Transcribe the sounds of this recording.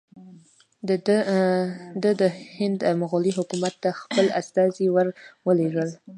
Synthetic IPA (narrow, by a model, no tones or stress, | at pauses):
d̪əd̪əhɪnd̪amʊɣʊliɦʊkumat̪ːaxpəla̰st̪ɑziwəɾwəleɡəl